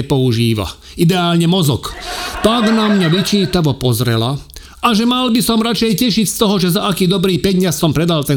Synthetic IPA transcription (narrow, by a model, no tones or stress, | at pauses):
ɛpɔuʒiːʋa̰ | id̪ɛaːlɲɛmɔzɔ̰kt̪aɡnamːɲaʋit͡ʃiːt̪aʋɔpɔzɾɛ̰la | aʒɛmalbisɔmɾat͡ʃɛjcɛʃicst̪ɔɦɔʒɛzaakiːd̪ɔbɾiːpɛɟɲassɔmpɾɛd̪alt̪ɛ